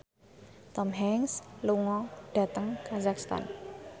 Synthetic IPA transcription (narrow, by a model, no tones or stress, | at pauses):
t̪ɔmɦɛŋsluŋɔɖ̥ä̤t̪əŋkazakst̪a̰n